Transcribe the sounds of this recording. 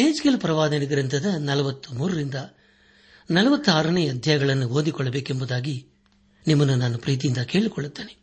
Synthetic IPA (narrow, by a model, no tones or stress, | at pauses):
eːd͡ʒkelupɾɐʋaːd̪ɐniɡɐɾɐnt̪ɐd̪ɐnɐlɐʋɐt̪ːumuːɾɐɾind̪ɐ | nɐlɐʋɐt̪ːuaːɾɐnejɐɐd̪ʱjɐjɐɡɐɭɐnːuoːnd̪ikɔɭːɐbeːkembud̪aːɡi | nimːɐnːunaːnupɾiːt̪̬ijind̪ɐke̞ːɭikɔɭːut̪ːeːne